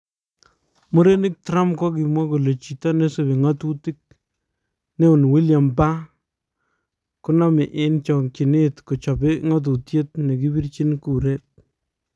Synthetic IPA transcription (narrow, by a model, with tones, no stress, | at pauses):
mo˦ɾe˦nɪ˦k̚tɾa˦mkɔ˦k̬i˨mwa˦ko˨le˨t͡ʃi˨ta˦ne˦se˨bi˨ŋa˦tu˦ti˦k̚ | ne˦ʊ˨nwi˦lja˨mba˦ | kʊ˦na˦mɪ˨ʔɪ˦nt͡ʃɔ˨ki˨nɪ˦tko˨t͡ʃɔ˨bɪ˦ŋa˦t̬u˨tje˦t̚ne˨ki˦bi˦rt͡ʃi˦nku˨ɾe˦t̚